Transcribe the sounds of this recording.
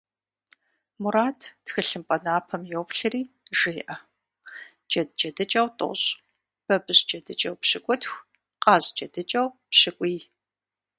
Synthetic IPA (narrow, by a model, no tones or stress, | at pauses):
muɾaːtʰtxɨɬɨmpʼɐnaːpʰɐmjɛwpɬɨriː | ʒɪːʔɐ | d͡ʒʼɐd̚d͡ʒɐdɨt͡ʃʼɐwtʼo̰ɕʼ | b̥ɐbɨɕd͡ʒɐdɨt͡ʃʼɐwpɕɪkʷʼɔtxʷ | qʼɑːzt͡ʃʼɐdɨt͡ʃʼɐwpɕɪkʷʼiː